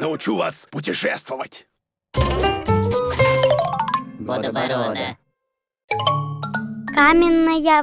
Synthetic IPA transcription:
nəʊt͡ɕuva̰spʊtʲɪʂɛst̪vəvətʲ | d̪ɾd̪ə | kamʲɪnːɐja

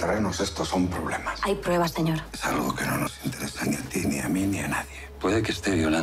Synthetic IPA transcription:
t̪ɾaenosest̪osompɾoβ̞lemasajpɾweβ̞aseɲoɾsaluɣokenonosint̪eɾesaniat̪inḭa̰minianaðjepweðekest̪eβjola

